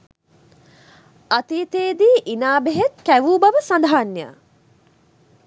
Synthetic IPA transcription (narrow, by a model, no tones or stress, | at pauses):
at̪iːt̪eːd̪iːʔinaːbeɦet̪kæʋuːbaʋəsand̪ɦanːja̰